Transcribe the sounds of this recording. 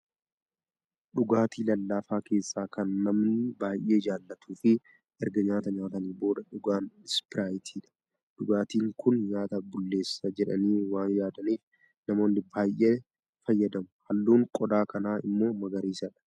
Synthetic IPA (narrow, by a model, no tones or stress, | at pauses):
ᶑʊɡaːt̪iːlɐlːaːfaːke̞ːsːaːkʰɐnːɐmnɪbaːjʔːeːd͡ʒaːlːɐt̪ʰuːfɪ | ʔɛɾɡɐɲaːt̪ɐɲaːt̪ɐnɪbo̞ːd̪ɐᶑʊɡaːndɪspɪɾaːjɪt̪ʰiːᶑɐ̥ | ᶑʊɡaːt̪iːŋkʊnɲaːt̪ɐbʊlːe̞ːsːɐd͡ʒɛᶑɐ̰niːwaːnjaːd̪ɐniːf | nɐmo̞ːnːɪbaːjʔeː | fɐjːɐd̪ɐmʊhɐlːuːŋkʼɔd̪aːkɐnaːɪ̰mːo̞ːmɐɡɐɾiːsɐᶑɐ̥